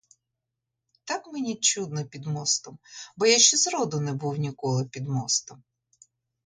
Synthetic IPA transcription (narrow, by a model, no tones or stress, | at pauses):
t̪akmenʲit͡ʃud̪̚nɔpʲid̪mɔst̪ɔmbɔjaʃʲt͡ʃɛzɾɔd̪ʊnɛbuwnʲikɔlˠɪpʲid̪mɔst̪ɔm